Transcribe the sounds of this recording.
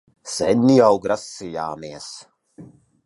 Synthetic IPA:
sɛnʲːiawɡɾasːija̰ːmiɛs

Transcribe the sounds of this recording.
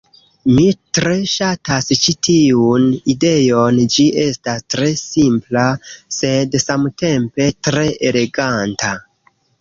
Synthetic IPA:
mitɾe̞ʃatast͡ʃitʰiunide̞jo̞nd͡ʒiʔe̞stastɾe̞simplase̞dsamte̞mpe̞tɾe̞ʔele̞ɡanta

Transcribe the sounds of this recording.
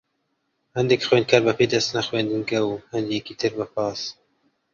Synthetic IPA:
hɛnd̪ɛkxweːnd̪̚kʰaɾbɛpeːd̪ɛst̪naxweːnd̪ɨnɡɛwhɛnd̪ejɛkiːt̪ʰɨɾbɛpɑːs

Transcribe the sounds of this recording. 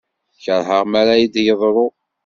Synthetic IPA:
çəɾˤɦəʁmaɾajid̪jəðˤɾˤo

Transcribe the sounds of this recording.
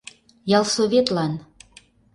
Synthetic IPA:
jɑlˠsoβet̪lɑn

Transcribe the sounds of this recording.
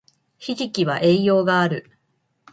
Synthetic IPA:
çiʑikʲiβaʔe̞ːjo̞ːɡaːɾɯ̟

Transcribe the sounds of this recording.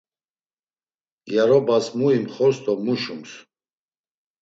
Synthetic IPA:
ɡjaɾɔbasmuimχɔst̪ʰʼɔmuʃums

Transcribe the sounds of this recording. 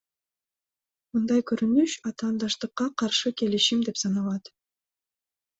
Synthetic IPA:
mɯnd̪ɑjkɵɾynyʃɑt̪ɑːnd̪ɑʃt̪ɯqːɑqʰɑɾʃɯke̞liʃimd̪e̞psɑnɑlˠɑt̪

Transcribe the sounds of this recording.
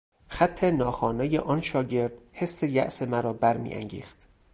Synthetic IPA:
xæt̪ʰːe̞nɒːxɒːnejeʔɒnʃɒːɟe̞ɾd̪̥he̞sːejæ̰ʔsemæɾɒːbæɾmḭːʔæ̰ŋɟḭːxt̪

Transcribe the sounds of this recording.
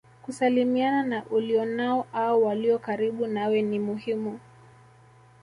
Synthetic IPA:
kusalimiananaʔuliɔnaɔʔaɔwaliɔkaɾiɓunawɛnimuhimu

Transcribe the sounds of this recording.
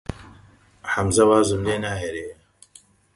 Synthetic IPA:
ħamzɐwaːzɨmleːnaːɦeɾe

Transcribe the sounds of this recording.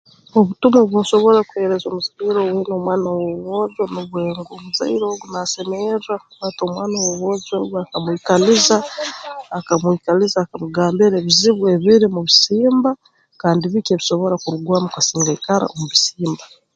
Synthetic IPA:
oβutumoβunso̞βo̞ɾakuhe̞ɾezoːmuzaiɾowenomwaːnawoβoːzwonuβweːŋɡomuza̰iɾoɡunasemeɾakuβato̞ːmwaːnawoβozwoɡuakamwikalizaː | kamwiːkalizaːkamuɡaːmbeɾeβiziβwe̞βiɾimuβisiːmba | kaːndiβikeβiso̞βo̞ɾakuɾuɡwaːmukasiːŋɡaikaɾa̰omuβisiːmba

